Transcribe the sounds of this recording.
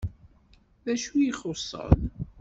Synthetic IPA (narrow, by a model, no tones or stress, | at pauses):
ðæʃujiχosˤːə̰n